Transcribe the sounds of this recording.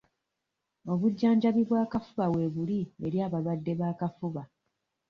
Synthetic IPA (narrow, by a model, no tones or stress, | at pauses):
o̞βuɟːaːɲɟaβiβwaːkafuβawe̞βulieɾjaːβalwadːe̞βaːkafuβa